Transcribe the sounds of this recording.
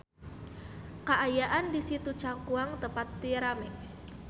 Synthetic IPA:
kaʔajaʔandisit̪ut͡ʃaŋkuaŋt̪əpat̪ːiɾamɪŋ

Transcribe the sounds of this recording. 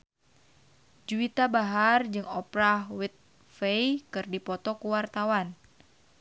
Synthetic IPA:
d͡ʒuit̪abaɦard͡ʒɨŋɔpɾawit̪̚ | fejkɨrdipɔt̪ɔkuwart̪awan

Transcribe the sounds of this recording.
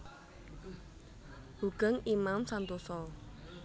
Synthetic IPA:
buɡ̥əŋimamsant̪osɔ

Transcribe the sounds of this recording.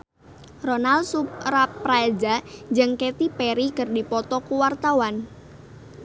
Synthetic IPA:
rɔnalsupɾapːɾad͡ʒad͡ʒəŋket̪ipeɾikərdipɔt̪ɔkuwart̪awan

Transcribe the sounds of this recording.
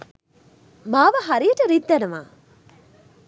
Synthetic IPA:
maːʋɐɦɐɾijəʈəɾid̪ːɐnɐma̰ː

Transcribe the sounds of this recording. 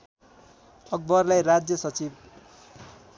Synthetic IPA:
ʌk̚bʌrlajɾad͡zjʌsʌt͡sib

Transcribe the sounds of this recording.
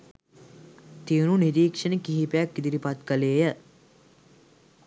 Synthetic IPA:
t̪iununiɾiːkʂənəkiɦipejakɡid̪iɾipat̪kəleːjə

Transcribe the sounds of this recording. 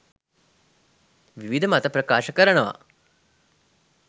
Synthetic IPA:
ʋiʋid̪ʱəmat̪ɐpɾɐkaːʃəkəɾəɳəʋa̰

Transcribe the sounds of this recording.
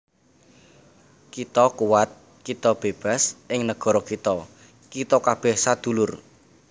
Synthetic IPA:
kit̪ɔkuwat̪̚ | kit̪ɔb̥e̤b̥a̤sʔɪŋnəɡ̥ɔ̤ɾɔkit̪ɔ | kit̪ɔkab̥ɛhsad̪̥ṳlʊr

